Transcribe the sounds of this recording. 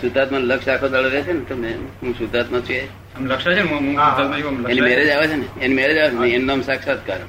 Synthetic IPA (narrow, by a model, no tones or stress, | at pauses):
sud̪ʱat̪mãləkʃakʰod̪əɭoɾet͡ʃʰenet̪omeɦũsud̪ʱat̪mãt͡ʃʰue | əmləkʃat͡ʃʰenmɦũat̪mãt͡ʃʰumləenimɛɾed͡ʒaʋet͡ʃʰeneenimɛɾed͡ʒaʋet͡ʃʰeneenːomsaksat̪kaɾə